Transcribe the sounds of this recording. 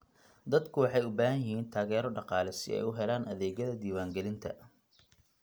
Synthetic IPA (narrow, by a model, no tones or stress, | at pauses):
d̪ɐd̪kʰʊwɑħɑjʊbaːɦɐnjɪɦiːnt̪ʰaːɣɛːɾɔɖɑqɑːlɛsɪ̰ɛ̰jʊɦɛlaːnʔɐðɛːɣɐðɐd̪iːwaːŋɡɛlɪnt̪ʰɐ̰